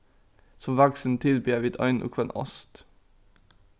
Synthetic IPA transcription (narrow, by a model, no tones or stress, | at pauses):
sɔmʋæɡsn̩t̪ʰɪlbyːəʋiːd̪œ̰ʏnʔṵːkʰʋɛnɔ̰st̪